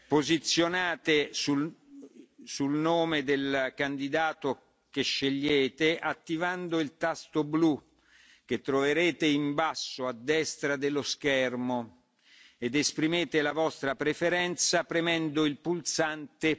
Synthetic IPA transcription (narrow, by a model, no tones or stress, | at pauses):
pozit̪sːjonaːt̪esu | sulnoːmed̪elkand̪id̪aːt̪o | keʃːeʎːeːt̪eʔat̪ːivand̪oilt̪ast̪oblu | k̟et̪ːɾoveɾeːt̪eimbasːoad̪ːɛst̪ɾad̪eloskɛrmo | ed̪espɾimeːt̪elavɔst̪ɾapɾefeɾɛnt̪sapɾemɛnd̪oilpult̪sant̪e